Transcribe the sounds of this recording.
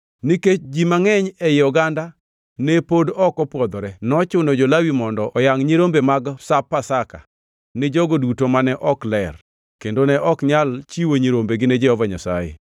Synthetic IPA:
niket͡ʃd͡ʒimaŋɛɲɛjɪɔɡanda | nepodɔkɔpwɔd̪ɔɾɛnɔt͡ʃʊnod͡ʒɔlawimɔndɔʔɔjaŋɲiɾombemaɡsapːasaka̰ | nɪd͡ʒɔɡodutomanɛʔɔklɛr | kendonɛʔɔkɲalt͡ʃiwoɲiɾombeɡɪned͡ʒɛhɔvaɲasa̰jḛ

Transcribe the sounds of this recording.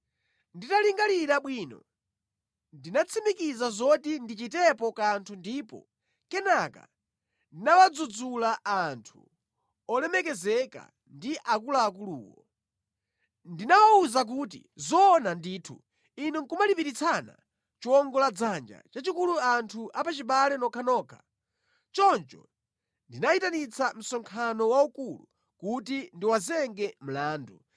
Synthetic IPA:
nditaliŋɡaliɾaɓwiːnɔ̰ | ndinat͡sʰimikizazɔtindit͡ʃitɛpɔkantʰundiːpɔ̰ | kɛnaka̰ | ndinawad͡zud͡zulaʔantʰṵ | ɔlɛmɛkɛzɛka̰ | ndiʔakulaːk̬ulṵːwɔ | ndinawauzak̬uːt̬ḭzɔːnandiːtʰṵ | inɛŋkumalipiɾit͡sʰana̰ | t͡ʃuwɔŋɡɔlad͡zand͡ʒa̰t͡ʃat͡ʃikuluantʰuʔapat͡ʃiɓalɛnɔkʰanɔːkʰḁ | t͡ʃɔnt͡ʃɔ̰ | ndinaitanit͡sʰam̩sɔŋkʰanɔwaukulu | kutindiwazɛŋɡɛm̩laːndu

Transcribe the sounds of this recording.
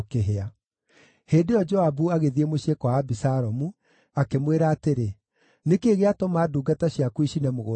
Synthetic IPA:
keɦea | heːndeɔd͡ʒɔabuaɣeðiemoɕekɔwaːbisaɾɔmu | akemweɾaːteɾe | nekeːɣeatomaːduːɡataɕjakuiɕinɛmoɣo

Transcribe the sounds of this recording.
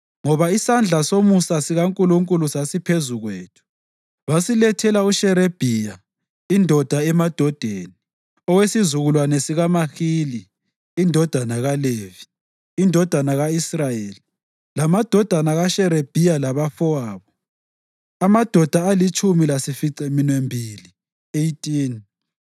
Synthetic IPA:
ŋɔβaisand͡ɮʱasomusasiɣaŋkʼuluŋkʼulusasipʰezuɣweːtʰu̥ | βasilɛtʰɛlauʃɛɾeb̥ʱija | indʱɔd̥ʱaɛmad̥ʱɔd̥ʱeːni | ɔwesizuɣulwanɛsiɣamaxiliː | ndʱɔd̥ʱanaɣalevi̥ː | ndʱɔd̥ʱanaɣaisrajeli | lamad̥ʱɔd̥ʱanaɣaʃɛɾeb̥ʱijalaβafɔaːβɔ | amad̥ʱɔd̥ʱaalit͡ʃʼumilasifiǀɛminwembʱiːli | ejtʼiːn

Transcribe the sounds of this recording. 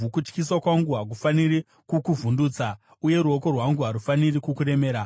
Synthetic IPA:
ukut͡ʃkis̬wakwaŋɡuɦak̬ufaniri | kukuvunduːt͡sa | uje̞ɾuo̞ko̞rwaŋɡuɦaɾufanirikukuɾe̞meːɾa

